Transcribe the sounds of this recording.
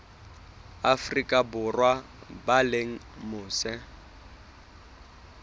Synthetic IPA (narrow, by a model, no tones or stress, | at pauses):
afrikʼabʊrwa | baleŋ̩mʊːsɛ